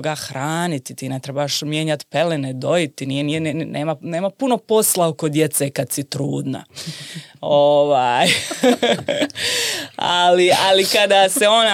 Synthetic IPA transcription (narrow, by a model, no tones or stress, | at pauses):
ɡaxɾaːnit̪it̪iːnet̪ɾebaaʃmje̞ːɲat̪pelened̪o̞it̪inijenijennʔeːmane̞ːmapuno̞po̞slaoko̞d̪je̞t̪sekad̪sit̪ɾuːd̪na̰ | oʋaj | a̰lialikad̪aseo̞na